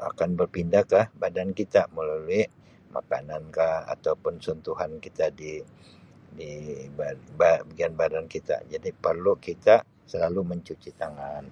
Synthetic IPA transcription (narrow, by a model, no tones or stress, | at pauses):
a̰kanbərpindakahbadankit̪aməlaluɪ | ma̰ka̰nankaha̰t̪aupʊnsɔnt̪uɦankit̪adi | dibababəɡianbadankit̪a̰d͡ʒadipərlukit̪a | səlaluməɲt͡ʃut͡ʃit̪aŋan